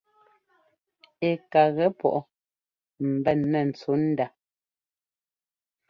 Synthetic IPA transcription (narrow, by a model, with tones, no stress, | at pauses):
e˨ka˨ɣɛ˦pɔ̰˨ʔɔ˨ | m̩˨bɛ˦˨nːɛ˨n̩˨t͡su˨˦n̩˦da˨